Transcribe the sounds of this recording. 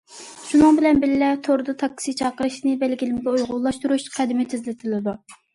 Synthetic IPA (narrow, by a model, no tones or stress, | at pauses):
ʃunɨŋbɪlɛnbɪlɪlɛt̪ʰoɾd̪ut̪ʰɑk̚ːsit͡ʃʰɑːqəɾɨʃnɨbɛlɡʲilɪmɪɡʲɛujʁʊlˠɑʃt̪uɾuʃqʰæd̪ɪmɪt̪ʰɪzlɪt̪ʰɪlɪd̪u